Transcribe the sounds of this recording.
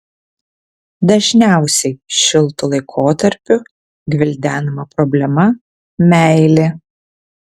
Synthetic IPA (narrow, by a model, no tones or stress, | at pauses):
d̪ɐʒʲnʲæˑʊsʲɛɪʃʲɪlˠt̪ʊlˠɐɪkʰoːt̪ɐɾʲpʲʊ | ɡʲʋʲɪlʲd̪ʲæːnɐmɐpɾɔbʲlʲɛmɐ | mʲæˑɪlʲe